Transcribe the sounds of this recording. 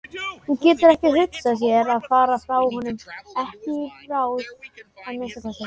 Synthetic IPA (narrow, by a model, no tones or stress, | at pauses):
huncɛːt̪ʏɾɛhcɪrʏk̪sas̬jɛɾaðfaːɾafɾaːwɦɔnʏmɛhcɪɾaːwðɛmensakʰasa